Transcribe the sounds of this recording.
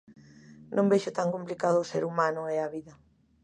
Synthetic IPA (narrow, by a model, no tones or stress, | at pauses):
nʔõmbeʃʊt̪aŋkomplikaðʊːseɾumanʊɛaβiðɐ